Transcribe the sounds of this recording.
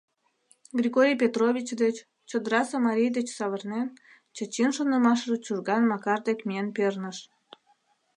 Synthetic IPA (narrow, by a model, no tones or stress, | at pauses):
ɡrʲiɣoɾʲijpʲet̪roβʲit͡ɕd̪et͡ɕ | t͡ɕəd̪əɾɑsəmɑɾʲijd̪et͡ɕsɑβərnen | t͡ɕət͡ɕinʃonə̆mɑʃʒet͡ɕurɣɑnmɑkɑrd̪ekmienpernəʃ